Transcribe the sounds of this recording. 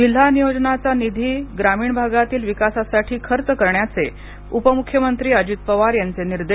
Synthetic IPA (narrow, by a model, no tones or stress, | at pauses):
d͡ʑil̤ːanijod͡znat͡sanid̪ʱiːɡɾamiːɳbʱaɡat̪iːlʋikasasaʈʰiːkʰəɾt͡səkəɾɳjat͡se | upəmukʰːjəmənt̪ɾiːəd͡ʑit̪̚pəʋaɾjant͡seniɾd̪e